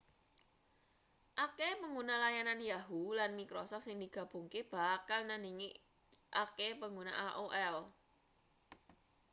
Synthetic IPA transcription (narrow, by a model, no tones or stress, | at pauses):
ʔakepəŋɡunalajananjaɦulanmikɾɔsɔft̪sɪŋd̪iɡ̥a̤b̥ṳŋkeb̥a̤kalnaniŋi | ʔakepəŋɡunaʔaʔoʔɛl